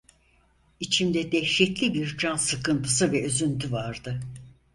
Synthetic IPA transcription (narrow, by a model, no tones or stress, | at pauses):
it͡ʃʰimd̪ɛd̪ɛçʃɛt̪lʲibiɾd͡ʒansɯkɯnt̪ʰɯsɯvɛøzynt̪ʰyvaɾd̪ɯ